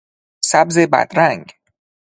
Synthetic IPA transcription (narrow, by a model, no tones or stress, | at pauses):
sæbzebæ̰d̪ɾæŋɡ